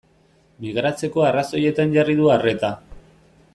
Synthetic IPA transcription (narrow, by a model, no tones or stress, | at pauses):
miɣ̞ɾat͡se̞ko̞araso̞je̞t̪anʝarið̞uare̞t̪a